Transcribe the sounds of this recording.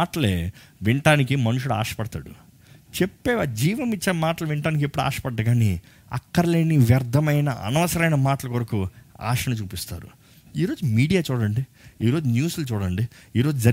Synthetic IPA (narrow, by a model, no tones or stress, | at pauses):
aːʈɐleːʋiɳʈaːnikimɐnuʂuɽua̰ːʂɐ̥pɐɽɐt̪a̰ːɽṵ | t͡ʃepːeːd͡ʒiːʋɐmit͡ʃːeːmaːʈɐlɐʋiɳʈaːnik̬epːuɽua̰ːʂɐ̥pɐɖːɐɡaːni | ɐ̰kːɐɾɐle̞ːniʋjɐɾd̪ʱːɐmɐjnɐʔɐ̰nɐʋɐsɐɾɐjnɐmaːʈɐlɐkoɾɐkua̰ːʂɐnɐt͡ʃuːpist̪a̰ːɾṵ | iːɾo̞ːd͡ʒumiːɽijaːt͡ʃuːɽɐɳɖi | iːɾo̞ːd͡ʒunjuːslɐt͡ʃuːɽɐɳɖiiːɾoːd͡ʒud͡ʒɐ